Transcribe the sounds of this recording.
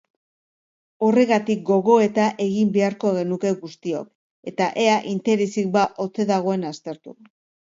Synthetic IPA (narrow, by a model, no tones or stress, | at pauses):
o̞re̞ɣat̪ik̚ɡo̞ɣo̞e̞t̪aʔe̞ɣimbe̞aɾko̞ɣe̞nuke̞ɣust̪io̞̰k̚ | e̞t̪aʔe̞aʔint̪e̞ɾesik̚baʔo̞t͡se̞ðaɣ̞o̞e̞nast̪e̞ɾt̪ṵ